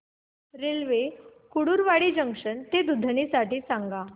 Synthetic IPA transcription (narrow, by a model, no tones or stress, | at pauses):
ɾelʋekuɽuːɾʋaɽiːd͡ʑəŋkʂənt̪ed̪ud̪ʱɳisaʈiːsaŋɡa